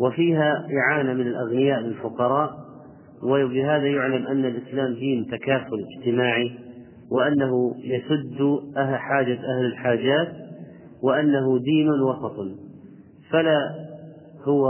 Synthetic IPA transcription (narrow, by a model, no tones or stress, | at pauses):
wɪfiːɦaʔɪʕaːnamɪnɪlʔaɣnɪjaːʔlɪlfʊqɑɾˤɑːʔ | wɪbɪɦaːðajʊʕlamʔanːalʔɪslaːmd̪iːnt̪akaːfʊlɪd͡ʒt̪ɪmaːʕi | wɪʔanːaɦʊjasʊd̪ːʔaħaːd͡ʒaʔahlɪlħaːd͡ʒaːt̪ | wɪʔanːaɦʊd̪iːnʊwɑsɑt̪ˤ | fala | hʊwa